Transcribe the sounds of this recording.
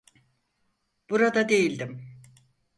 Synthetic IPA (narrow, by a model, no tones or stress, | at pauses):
b̥uɾad̪ad̪e̞jilʲd̪im